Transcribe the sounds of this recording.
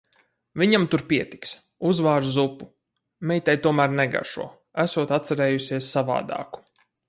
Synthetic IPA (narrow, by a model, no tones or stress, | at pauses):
vʲiɲamt̪uɾpʲiɛt̪i̥ks | uzvaːɾzupu | mɛjt̪ajt̪uɔmæːɾnɛɡa̰ʃṵɔ | æsuɔt̪at̪saɾɛːjusʲiɛsːava̰ːd̪ɑ̰ːku̥